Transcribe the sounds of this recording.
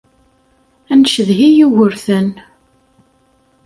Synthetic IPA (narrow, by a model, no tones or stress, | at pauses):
ænʃəðɦijiwəɾθən